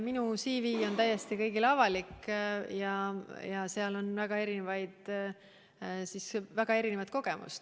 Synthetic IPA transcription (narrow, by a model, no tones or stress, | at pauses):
minusiːviːo̞nt̪æjːest̪ikɤ̞jɡilɑvɑlikːjɑjɑseɑlo̞nvæɡ̥ɑe̞ɾinevɑjd̪̥ | sisvæɡ̥ɑe̞ɾinevɑt̪̚ko̞ɡ̥e̞mṵst̪